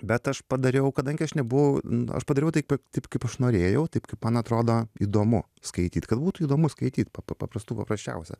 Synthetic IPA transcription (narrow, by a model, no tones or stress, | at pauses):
bʲɛt̪ɐʃpɐd̪ɐɾʲɛʊkɐd̪ɐŋʲɡʲɪɐʃnʲɛbʊʋɐʊnɐ̰ʃpɐd̪ɐɾʲɛʊt̪ɐɪpɐt̪ɐɪpkɐɪpɐʃnoːɾʲeːjɛʊt̪ɐɪpkɐɪpmɐnɐt̪ɾoːd̪oːiːd̪oːmʊ | skɐɪt̪ʲiːt̪ʲkɐt̪̚buːt̪ʊiːd̪oːmʊskɐɪt̪ʲiːt̪pɐpɐpɐpɾɐst̪uːpɐ̰pɾɐsʲt͡ʃʲɛ̰ʊsʲɛ̰